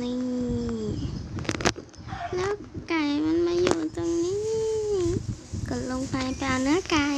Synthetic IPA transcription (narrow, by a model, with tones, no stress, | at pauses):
ni˧ | lɛː˨˦˥wkaː˨˩jma˧˥nmaː˧juː˧˩t̪o˧ŋni˦˥ | kɯ˨˧˩lo˧ŋpʰa˧jpɛː˧wnɯ˧˥ə˨ka˧